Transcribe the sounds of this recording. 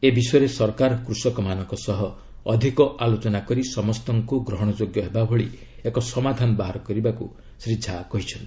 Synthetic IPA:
ebisɔjɾesɔɾkaɾɔkɾusɔkɔmanɔŋkɔsɔɦɔ | ɔd̪ʱikɔʔalot͡ʃɔnakɔɾisɔmɔst̪ɔŋkuɡɾɔɦɔɽ̃ɔd͡ʒoɡjɔɦebabʱoɭi | ekɔsɔmad̪ʱanɔbaɦaɾɔkɔɾibakṵ | sɾid͡ʒʱakɔɦit͡ʃʰɔnt̪i

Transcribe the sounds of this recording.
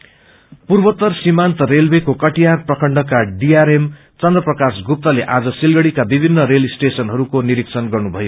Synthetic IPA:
purbʌt̪ːʌrsimant̪ʌrelbekokʌʈijarprʌkʰʌɳɖʌkaɖiaɾem | t͡sʌnd̪rʌprʌkasɡup̚t̪ʌleʔad͡zʌsilɡʌɽikabibʱinːʌɾelisʈesʌnɦʌɾukoniɾiksʰʌnɡʌrnubʱʌjo

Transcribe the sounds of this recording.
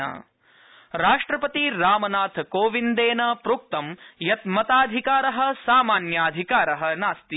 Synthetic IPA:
a̰ː | ɾaːʂʈɾɐpɐt̪iɾaːmɐnaːt̪ʰkoːʋind̪eːnɐpɾuːk̚t̪ɐmjɐt̪mɐt̪aːd̪ʱikaːɾɐɦɐ̆saːmaːnjaːd̪ʱikaːɾɐɦɐ̆naːst̪i

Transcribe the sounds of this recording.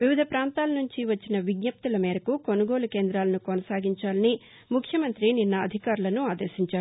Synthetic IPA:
ʋiʋid̪ʱɐpɾaːnt̪aːlɐnuɲt͡ʃiʋɐt͡ʃːinɐʋiɡɲɐp̚t̪ulɐmɛːɾɐkuko̞nuɡo̞ːlukeːnd̪ɾaːlɐnukonɐsaːɡiɲt͡ʃaːlɐni | mukʰjɐmɐnt̪ɾininːɐːd̪ʱikaːɾulɐnuaːd̪eːʃiɲt͡ʃaːu

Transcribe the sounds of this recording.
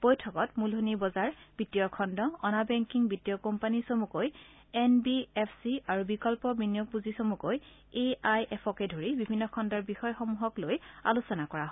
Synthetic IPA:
b̥ojtʰɔkɔtmulɦonibɔzaɹb̥itijɔkʰɔndɔɔnabɛŋkiŋbitijɔkɔmpanisomukoj | ɛnbiɛpʰsiaɹubikɔlpɔbinjok̚puzisomukoj | eajʔɛpʰɔkɛdʱoɹibibʱinːɔkʰɔndɔɹbixɔjxɔmuɦɔkloja̰lusɔnakɔɹaɦɔ

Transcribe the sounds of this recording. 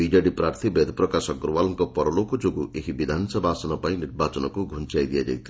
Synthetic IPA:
iɖiaɖipɾaɾt̪ʰibed̪ʱpɾɔkasɔkɾuwalɔŋkɔpɔɾɔlokɔd͡ʒoɡuʔeɦibid̪ʱansɔbasɔnɔpaĩniɾbat͡ʃɔnɔkuɡʱunt͡ʃajd̪ijad͡ʒa̰jt̪ʰi

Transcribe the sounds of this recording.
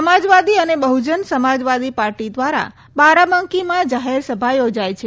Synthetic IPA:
əmad͡ʒʋad̪iənebəɦud͡ʒənsəmad͡ʒʋad̪ipaɾʈid̪ʋaɾa̰ | baɾaməŋkimãd͡ʒaɦeɾsəbʱajod͡ʒajt͡ʃʰe

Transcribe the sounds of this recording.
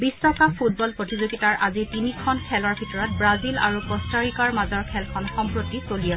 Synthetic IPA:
bistɔkapʰut̚bɔlpɹotizuɡitaɹʔazitinikʰɔnkʰɛlɔɹbʱitɔɹɔt̚bɹazila̰ɹupɹɔstaɹikaɹmazɔɹkʰɛlkʰɔnxɔmpɹotːisolijɛ

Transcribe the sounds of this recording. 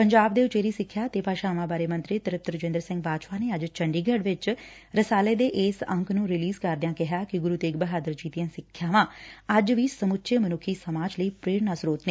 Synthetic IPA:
pəɲd͡ʒaːb̚d̪eːʊt͡ʃeːɾiːsɪkʰːjaːt̪eːpaːʃaːʋãːbaːɾeːmə̃nt̪ɾiːt̪əɾɪp̚t̪ɾəd͡ʒɪ̃nd̪əɾsɪ̃ŋɡ̚baːd̪ʃpaːneːəd͡ʒt͡ʃəɳɖiːɡəɽʋɪt͡ʃ | ɾəsaːleːd̪eːʔeːsə̃ŋknũːɾɪliːzkəɾd̪ɪjãːkɪɦaːkɪɡʊɾuːt̪eːk̚bəɦaːd̪əɾd͡ʒiːt̪ɪjãːsɪkʰːjaːʋãːəd͡ʒʋiːsəmʊtːʃeːmənʊkʰːiːsəmaːd͡ʒləiːpɾeːɽnaːsɾoːt̪neː

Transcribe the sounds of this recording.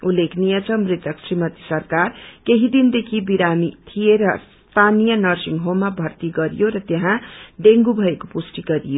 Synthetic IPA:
ulːekʰnijʌt͡sʰʌmrit̪ʌksrimʌt̪i̥sʌrkarkeɦid̪ind̪ekʰibiɾamit̪ʰijeɾʌs | t̪ʰanijʌnʌrsiŋɡɦomːabʱʌrt̪iɡʌɾijoɾʌt̪jeɦãɖeŋɡubʱʌekopusʈiɡʌɾijo

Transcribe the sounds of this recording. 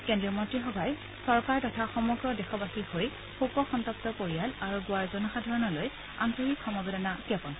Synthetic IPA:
kɛndɹiɔmɔtɹixɔbʱaj | sɔɹkaɹtɔtʰaxɔmɔɡɹɔdɛxɔbaxihoj | xokɔxɔntɔp̚tɔkoɹijalaɹuɡʊaɹzɔnɔxadʱaɹɔnɔloj | a̰ntoɹikʰːɔmabɔdanakɔpɔn

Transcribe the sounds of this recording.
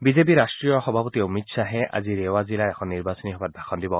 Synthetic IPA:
bizep̬iɾasʈɹijɔxɔbʱapɔt̪iomit̪saɦɛʔa̰ziɾewazilaɛkʰɔnːiɾbasɔniɔbat̪̚bʱakʰɔnd̪ibɔ

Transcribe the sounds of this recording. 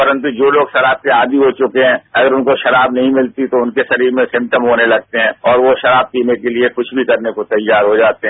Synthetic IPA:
pɐɾə̃nt̪ud͡ʒoːloːɡʃɐɾaːb̚keaːd̪iɦot͡ʃʊkeɦɛ̃ːɐɡəɾʊnkoʃɐɾaːbnɐɦĩmɪlt̪it̪oʊnkeʃɐɾiːɾmẽsɪ̃mp̚ʈəmɦoːnelɐɡ̚t̪eɦɛ̃ɔːɾʋoʃɐɾaːb̚tiːmekeliekʊt͡ʃʰbʱikɐɾnekot̪ɐjːaːɾɦod͡ʒaːt̪eɦɛ̃

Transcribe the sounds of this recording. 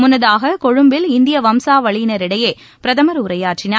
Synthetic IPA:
mʊnːɐðaːɣɐkɔɻɯmbɪlɪnd̪ɪjɐʋɐmsaːʋɐɭɪjnɐɾɪɽɐjeː | pɪɾɐðɐmɐɾʊɾɐjaːʈrɪnɐ

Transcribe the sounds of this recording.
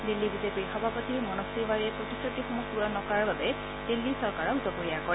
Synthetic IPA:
d̪ilːibidepihɔbʱapɔt̪imɔnɔsibaɾiepɔt̪isɔʈixɔmusuɾɔnɔkɔɾaɔbabe | d̪̥ilːisɔɾkaɾɔzɔpɔɾiakɔɾ

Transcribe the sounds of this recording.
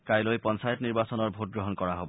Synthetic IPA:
kajlojpɔnsajɔtniɹbasɔnɔɹbʱot̚ɡɹoɦɔnkɔɹaɦobɔ

